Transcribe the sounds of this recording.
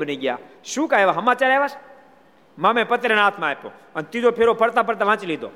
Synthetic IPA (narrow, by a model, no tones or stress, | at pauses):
bəniɡja̰ʃũːkaeʋaɦəmat͡ʃaɾaeʋaʃ | mãmẽpət̪ɾenaːt̪ʰmãepõ̰ | ənt̪id͡ʒ̪opʰeɾopʰəɾt̪apəɾt̪aʋãːt͡ʃlid̪o̰ː